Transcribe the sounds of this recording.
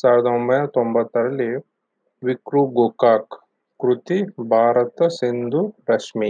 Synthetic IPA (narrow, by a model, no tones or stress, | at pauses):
saːɾɛd̪ɐombɐjnɐt̪ombɐt̪ːɐɾɐli | ʋikɾuɡoːkaːkː | ɾut̪ibʱaːɾɐt̪ɐsind̪uɾɐʂmi